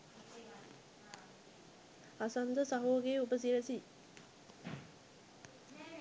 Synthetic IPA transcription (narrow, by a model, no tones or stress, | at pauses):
asɐnd̪əsɐɦoːɡeːupəs̬iləsi